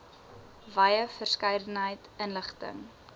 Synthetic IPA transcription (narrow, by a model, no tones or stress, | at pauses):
vɐjəfərskɐjdənɦəjtənləχtə̰ŋ